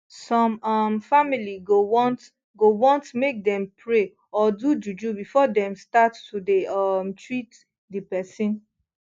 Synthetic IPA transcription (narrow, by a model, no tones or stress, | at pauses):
sɔ̃mʌmfamiliɡowɔ̃nt | ɡowɔ̃ntmek̚dɛ̃mpʰɹe | ɔdud͡ʒud͡ʒubifɔdɛ̃mstatːudeʌmtʰɹit | dipɛsĩn